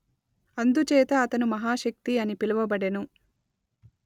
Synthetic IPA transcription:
ɐnd̪ut͡ʃɛːt̪ɐːt̪ɐnumɐɦaːʃɐk̚t̪iɐnipilɐʋɐbɐɽenu

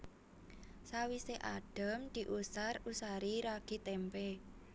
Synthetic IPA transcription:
sawiseʔaɖ̥ə̤md̪̥i̤ʔusarusaɾiɾaɡ̥i̤t̪ɛmpe

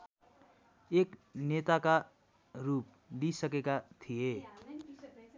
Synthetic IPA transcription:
eknet̪aka | rup̚ | lisʌkekat̪ʰie

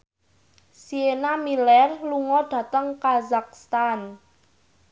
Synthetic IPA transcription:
sienamilɛrluŋɔɖ̥ä̤t̪əŋkazak̚st̪an

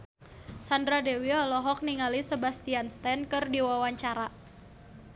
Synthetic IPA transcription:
sandɾadewiɔlɔɦɔk̚niŋalisəbast̪ianst̪ɛnkɨrdiwawaɲt͡ʃaɾa

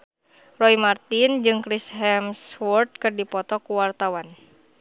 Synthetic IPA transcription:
rɔimart̪ind͡ʒɨŋkɾisɦɛmswɔrt̪̚kɨrdipɔt̪ɔkuwart̪awan

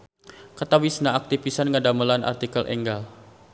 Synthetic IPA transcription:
kat̪awisnaak̚t̪ifisanŋadaməlanʔa̰rt̪ikəlʔɛ̰ŋɡal

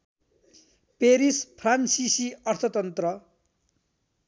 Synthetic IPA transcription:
peɾispʰransisiʌrt̪ʰʌt̪ʌnt̪rʌ

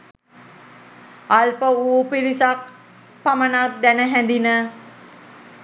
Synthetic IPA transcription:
alpəuːpiɾisak̚ | pamənat̪̚d̪ænəɦænd̪inə

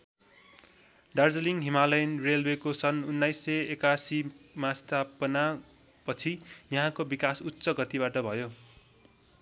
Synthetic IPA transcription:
ɖard͡zʌliŋɦimalʌjnrelwekosʌnunːajsːʌekasimast̪ʰapʌna | pʌt͡sʰijʌɦãkobikasutːsʌɡʌt̪ibaʈʌbʱʌjo

